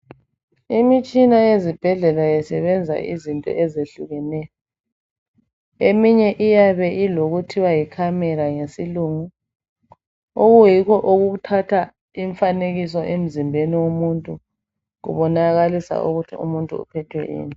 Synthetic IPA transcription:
imit͡ʃʼinajezib̥ʱɛɮɛlajɛsɛβɛnd͡zʱa̰ʔizintʼɔ̰ʔɛzeɬuɣɛnɛjɔ | emiɲɛʔijaβɛʔiloɣutʰiwajikʰamɛɾaŋesiluŋu | oɣujikʰɔʔoɣutʰatʰa | iɱfaneɣisɔʔem̩zimbʱeniwomuntʼu | ɣṵβɔnaɣalisa̰ʔuɣutʰiṵmuntʼṵṵpʰɛtʰwɛ̰ʔḭːni

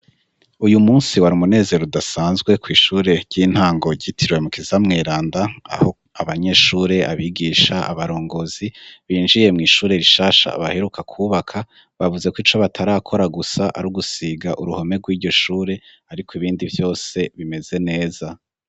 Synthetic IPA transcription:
ujumuːnsiwaɾiumune̞ːze̞ɾodasaːnzɡwe̞kwiːʃuːɾe̞ɾɟiːn̥haːŋɡo̞ɟitʰiɾwe̞mukizamŋeːɾaːndaa̰ho | aβaɲe̞ːʃuːɾe̞ʔa̰βiɡiːʃaʔa̰βaɾo̞ːŋɡo̞z̥iβiːnʒije̞mŋiːʃuːɾe̞ɾiʃaːʃa̰βahe̞ɾukʰakʰuːβakʰa | βavuze̞kwiːt͡ʃoβatʰaɾaːkʰo̞ɾaɡusaʔa̰ɾuɡusiɡaʔuɾuho̞me̞ɡwiːɾɟo̞ʃuːɾe̞ | aɾikʰoiβiːndivjo̞ːse̞βime̞ze̞ne̞ːza

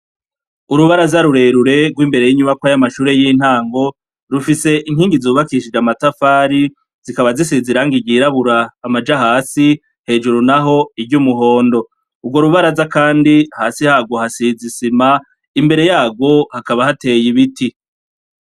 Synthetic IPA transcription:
uɾuβaɾazaɾuɾe̞ɾuɾe̞ɡwiːmbe̞ɾe̞jiɲuβakwajamaʃuːɾe̞jiːn̥haːŋɡo̞ | ɾufise̞ʔiŋhiːŋɡizuːβakiʃid͡ʒamatafaːɾi | z̥ikaβazisiziɾaːŋɡiɡiːɾaβuɾaːmad͡ʒaɦaːsi | he̞ːd͡ʒuɾunaɦo̞ibɟuːmuɦo̞ːndo̞ | ubɡwo̞ɾuβaɾazakaːndihaːsihaːɡo̞hasizisima | imbe̞ɾe̞jaːɡwo̞hakaβahate̞ːjiβiti

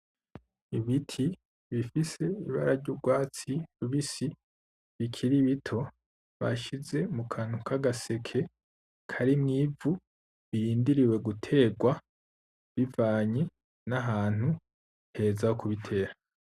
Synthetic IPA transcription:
iβitʰi | βifise̞iβa̰ɾaɾɟoɡwaːt͡siɾuβisi | βikʰiɾiβitʰo̞ | βa̰ʃize̞mukʰan̥ukaɡase̞kʰe̞ | kʰaɾimŋiːvu | βiɾiːndiɾiwe̞ɡutʰe̞ɡwa | βivaːɲe | naɦaːn̥hu | he̞ːzakuβitʰe̞ːɾa

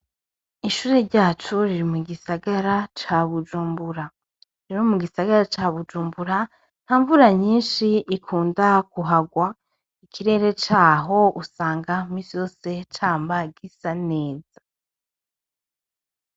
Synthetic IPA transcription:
iʃuːɾe̞ɾɟaːt͡ʃuɾiɾimuɡisaɡaɾat͡ʃaβud͡ʒuːmbuɾa | ɾeɾomuɡisaɡaɾat͡ʃaβud͡ʒuːmbuɾa | n̥haːɱvuɾaɲiːnʃiikʰuːndakuɦaɡwa | ikʰiɾe̞ːɾe̞t͡ʃaːɦo̞usaːŋɡamisijo̞ːse̞t͡ʃaːmbaɡisane̞ːz̥a

